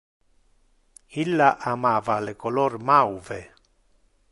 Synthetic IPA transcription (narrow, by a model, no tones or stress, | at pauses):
ilːaʔamaːvalekolormawve